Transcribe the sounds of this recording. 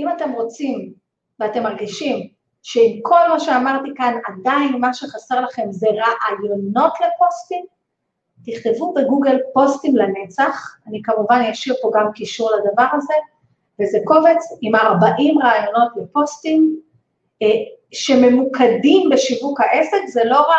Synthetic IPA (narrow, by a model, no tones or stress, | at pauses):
imate̞mʁo̞t͡sim | veatemaʁɡiʃim | ʃe̞imko̞lmaʃe̞amaʁt̪ikanadainmaʃeχase̞ʁlaχe̞mzeʁaʔajo̞no̞tle̞po̞stim | tiχt̪evube̞ɡuɡe̞lpo̞stimlane̞t͡saχanikamuvanjaʃivpo̞ɡamkiʃuʁladavaʁaze̞ | vezeko̞ve̞t͡simaʁbaʔimʁaːjo̞no̞tle̞po̞stim | ʃe̞me̞mukʰadimbeʃivukhaʔe̞sekzelo̞ʁa